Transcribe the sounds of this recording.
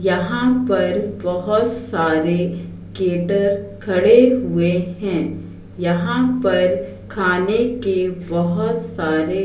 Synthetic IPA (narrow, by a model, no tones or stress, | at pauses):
jɐɦãpɐɾbɐɦʊt̪saːɾe | keːʈəɾkʰɐɽeɦʊeɦɛ̃ː | jɐɦãpɐɾ | kʰaːnekebɐɦʊt̪saːɾe